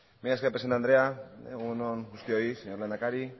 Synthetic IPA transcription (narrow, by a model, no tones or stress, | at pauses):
mejaskepɾesent̪and̪ɾeaeɣunonɡust̪ioiseɲoɾlenakaɾi